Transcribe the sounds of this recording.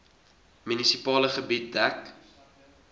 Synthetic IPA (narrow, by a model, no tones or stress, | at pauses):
mynisipɑːləχəbit̚dæk